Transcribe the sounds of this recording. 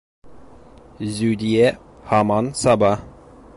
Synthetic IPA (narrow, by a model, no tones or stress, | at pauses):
zʉd̪iɛ | hɑmɑnsɑbɑ